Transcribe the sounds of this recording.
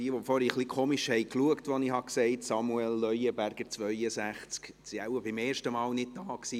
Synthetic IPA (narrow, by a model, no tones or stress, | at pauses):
iːʋɔfɔɾiːχlikʰoːmiʃhɛɪkluəktʋɔnihɑksɛɪtsɑmuɛlːœjəbæɾɡ̥əɾt͡svʋœʏəsæχt͡sk | siawəbɪmeːɾʃtəmɑːlnɪd̚dɑːksiː